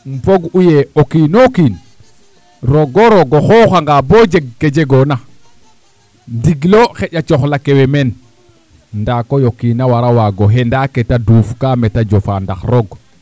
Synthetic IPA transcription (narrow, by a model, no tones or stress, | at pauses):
mpoɡujeokinokin | ɾoɡoɾoɡoxoxaŋɡabod͡ʒeɡ̚ːed͡ʒeɡona | ndiɡloxeɟat͡ʃoxlakewemen | ndakojokinawaɾawaɡoɦendaketaduːfkametad͡ʒofanda̰xɾoɡ